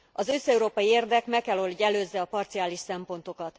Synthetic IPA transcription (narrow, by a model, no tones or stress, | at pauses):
ɒzøsɛuɾoːpɒjieːrd̪ɛkmɛkːɛlːoloɟɛløːzːɛɒpɒrt̪sijaːliʃsɛmpo̞nt̪o̞kɒt̪